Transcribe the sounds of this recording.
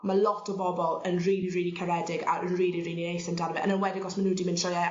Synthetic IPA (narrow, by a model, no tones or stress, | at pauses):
malˠɔtʰɔbɔbɔlˠənriːliriːlikʰəɾɛdɪɡa̰ənriːlˠiriːninejθəndanvɛʔə̰nənwɛdɪɡɔsmanudimɪnʃəa